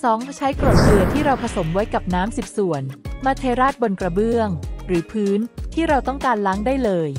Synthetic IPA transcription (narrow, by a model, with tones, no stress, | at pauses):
sɔː˩˦˥ŋt͡ɕʰa˦˥jkɾo˨˩t̪̚lɯ˧˩ɐt̪ʰiː˥˩ɾa˧wpʰa˧so˩˦mwa˦˥jka˨˩p̚naː˦˥msi˨˩p̚su˨˩˦ənmaː˧t̪ʰeː˧ɾaː˥˩t̪̚bo˧nkɾa˧bɯ˥˩əŋɾɯː˩˦pʰɯː˦˥nt̪ʰiː˥˩ɾa˧wt̪ɔ˥˩ŋkaː˧nla˦˥ŋdaː˥˩jlɤː˧j